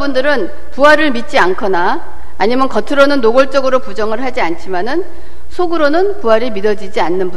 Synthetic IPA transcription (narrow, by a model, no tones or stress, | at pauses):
bundɯɾɯn | puɦaɾɯɭmit̚t͡ɕ͈iankʰʌnaː | ɲimjʌnkʌtʰɯɾʌnɯnːoɡʌɭt͡ɕ͈ʌɡɯɾopud͡ʑʌŋɯɭɦad͡ʑiant͡ɕʰimanɯn | sʰoɡɯɾonɯnpuɦaɾimidʌd͡ʑid͡ʑianːɯnbu